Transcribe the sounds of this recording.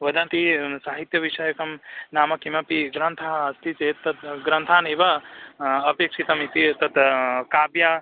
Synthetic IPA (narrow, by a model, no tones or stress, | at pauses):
ʋɐd̪ɐnt̪isaːɦit̪jɐʋiʃɐjɐkɐmnaːmɐkimɐpiɡɾɐnt̪ʰaɦɐɐst̪it͡ʃeːt̪ːɐt̪ɡɾɐnt̪ʰaːniʋɐ | ɐpeːkʂit̪ɐmit̪it̪ɐt̪kaːbjaː